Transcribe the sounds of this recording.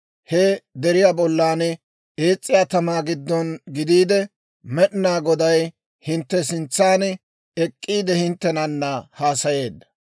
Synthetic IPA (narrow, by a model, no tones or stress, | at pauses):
hɛd̪ɛɾɪjaːbɔlːaːnɛ | eːt͡sʼːɪjat̪ɐmaːɡɪd̪ːɔnɡɪd̪iːd̪ɛ | mɛʔɪnaːɡɔd̪ɐj | hɪnt̪ːɛsɪnt͡sːaːn | ɛkʼːiːd̪ɛhɪnt̪ːɛnɐnːɐhaːsɐje̞ːd̪ːɐ̥